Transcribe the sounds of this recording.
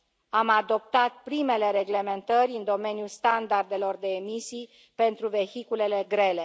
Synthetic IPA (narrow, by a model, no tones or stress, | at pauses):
amad̪o̞p̚t̪at̪̚pɾime̞le̞ɾe̞ɡle̞me̞nt̪əɾʲɨnd̪o̞me̞nijulst̪and̪ard̪e̞lo̞rd̪e̞ːmisij | pe̞nt̪ɾuve̞çikule̞le̞ɡɾe̞le̞